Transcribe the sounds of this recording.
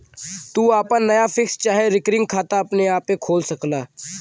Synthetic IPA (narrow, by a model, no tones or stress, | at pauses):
t̪uːaːpənɐjafɪkst͡ʃaːɦeɾɪkɾɪ̃ŋɡkʰaːt̪aɐpneaːpːẽkʰoːlsɐklaː